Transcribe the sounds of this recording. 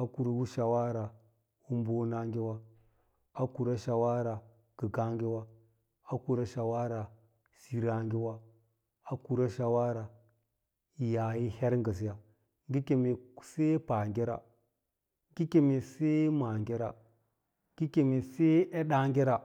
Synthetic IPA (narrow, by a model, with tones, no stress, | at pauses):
a˦ku˨ɾa˨wu˦ʃa˨wa˦ɾa˨ | u˦m˦bo˦na˦ŋɡi˦wa˦ | a˦ku˨ɾa˦ʃa˨wa˦ɾa˨ | ɡ̥ə˨ɡa˦ŋɡi˦wa˦ | a˦ku˨ɾa˦ʃa˨wa˦ɾa˨ | si˨ɾa˦ŋɡi˦wa˦ | a˦ku˨ɾa˦ʃa˨wa˦ɾa˨ | ja˨ji˦he˦ɾŋɡa˨s̬i˨˦ja˨ | ŋɡi˦ke˨me˨˦se˦pa˨ŋɡʲe˦ɾa̰˨ | ɡi˦ke˨me˨se˦ma˨ŋɡe˦ɾa˨ | ɡi˦ke˨me˨se˦e˦ɗa˦ŋɡe˦ɾa˨